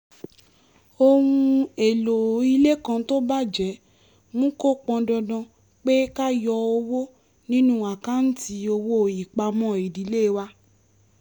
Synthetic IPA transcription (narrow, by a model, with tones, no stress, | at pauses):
o˧hũ˧e˨lo˨˦i˧le˦kã˧to˦ba˦d͡ʒɛ˨˦ | mũ˦ko˦k͡pɔ̃˧dɔ˧dɔ̃˧ | k͡pe˦ka˦jɔ˧o˧wo˦ | nĩ˦nũ˦a˨ka˦n̩˦ti˧˦o˧wo˦˨ji˨k͡pa˧mɔ̃˦˨i˨di˨˦le˦˧wa˦